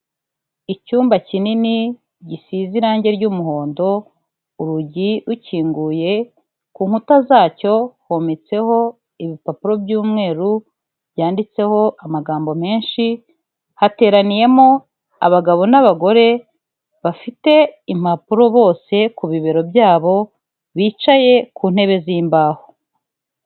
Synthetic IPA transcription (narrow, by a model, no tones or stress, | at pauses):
icuːmbacinini | ɟisiziɾaːɲɟe̞ɾɟumuho̞ːndo̞ | uɾuɟiɾuciːŋɡuːje̞ | kuːŋhutazaːco̞homet͡se̞ho̞ | iβipapuɾo̞bjuːmŋe̞ːɾu | bjaːndit͡se̞ho̞ʔamaɡaːmbo̞me̞ːnʃi | hate̞ːɾanije̞mo̞ | a̰βaɡaβo̞naβaɡo̞ɾe̞ | βafite̞im̥apuɾo̞βo̞ːse̞kuβiβe̞ɾo̞bjaːβo̞ | βiːt͡ʃaje̞kuːn̥he̞βe̞ziːmbaːho̥